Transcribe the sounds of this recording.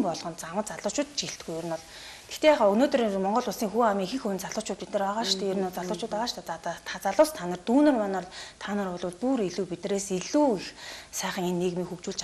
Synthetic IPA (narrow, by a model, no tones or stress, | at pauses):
mpɔɮʁɞ̆nt͡samə̆t̪t͡saɮʊːt͡ɕʊːt̪t͡ɕiɬt̪ɡujɵr̆nɔɮ | t̪ʰe̥xt̪ʰeːaχɔɵnoːt̪rimɔɴɢɞ̆ɮʊɮsiːŋxuːamiːŋxĭxɵwɘnt͡saɮʊːt͡ɕʊːt̪̚pit̪nɘ̆raʁaːʃt̪ʰeːjɵɾ̆nɔɮt͡saɮʊːt͡ɕʊːt̪aʁaːʃt̪ʰæːt͡saɮʊːst̪ʰanə̆rt̪uːnɵ̆rmanɔːɮt̪ʰaːnə̆rʊɮʊːt̪̚puɾiɮuːpit̪nɘ̆reːsiɮuːixsæːχə̆ŋenːeɣmiːŋxukt͡ɕuːɮt͡ɕ